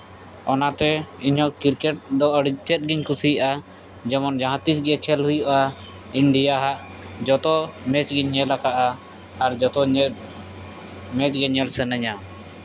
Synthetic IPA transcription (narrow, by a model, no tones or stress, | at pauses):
ɔnat̪ɛiɲɦɔkiɾkɛʈ̚d̪ɔəɽit̪ʰɛt̪̚ɡiɲkusijaʔa | d͡ʒɛmɔnd͡ʒaɦãt̪isɡɛkʰɛlɦujɔʔa | iɳɖijaɦaʔ | d͡ʒɔt̪ɔmɛt͡ʃɡiɲːɛlakaʔaː | ɾd͡ʒɔt̪ɔɲɛ | mɛt͡ʃɡɛɲɛlsɛnɛɲa